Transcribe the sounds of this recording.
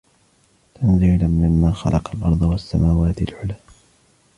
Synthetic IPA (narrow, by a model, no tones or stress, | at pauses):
t̪anziʕlamːɪmːaːxɑ̰lʔɑqɑlʔɑ̰ɾˤd̪ˤɑwasːamaːwaːt̪ɪlʕʊlaː